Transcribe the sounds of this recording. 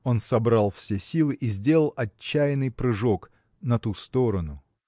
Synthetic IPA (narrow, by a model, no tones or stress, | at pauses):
o̞nsɐbɾalˠfsʲesʲilˠɨʔizʲdʲe̞lˠəlˠʔɐt͡ɕːæjɪnɨjpɾɨʐo̞k | nɐt̪ust̪o̞ɾənʊ